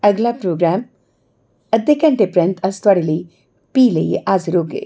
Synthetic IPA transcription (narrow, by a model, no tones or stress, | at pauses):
ɐɡlapɾoːɡɾaːm | ɐd̪ekɐɳʈepɾɐnt̪ʰɐst̪wɐɽili | piːlɐjiʔaːzɾoːɡḛ